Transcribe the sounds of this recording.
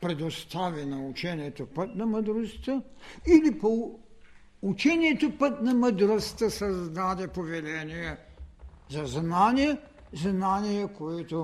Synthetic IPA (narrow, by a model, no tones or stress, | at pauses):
pɾɛd̪ost̪avinɐut͡ʃɛniɛt̪opət̪nɐməd̪ɾost̪əilipo | ut͡ʃɛniɛt̪opət̪nɐməd̪ɾost̪əsɐzd̪ad̪ɛpovɛlɛnijɛ | zɐznanijɛ | znanijɛkoɛt̪o